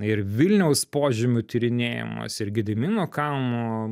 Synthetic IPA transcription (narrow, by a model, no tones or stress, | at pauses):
ɪɾʋʲɪlʲnʲɛʊspoːʒʲɪmʲʊt̪ʲiɾʲɪnʲeːjɪ̰mo̰ːsɪɾɡʲɪd̪ʲɪmʲiːnokɑlˠmoː